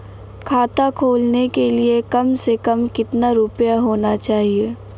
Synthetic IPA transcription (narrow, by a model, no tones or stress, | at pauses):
kʰaːt̪akʰoːlnekeliekɐmsekɐmkɪt̪naɾʊpjaɦoːnat͡ʃaːɦieː